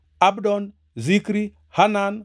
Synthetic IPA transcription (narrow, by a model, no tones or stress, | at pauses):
abdon | zikɾi | hanan